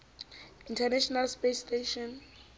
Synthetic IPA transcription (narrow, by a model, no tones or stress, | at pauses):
ĩntʰɛnɛʃɔnalspesteʃɔn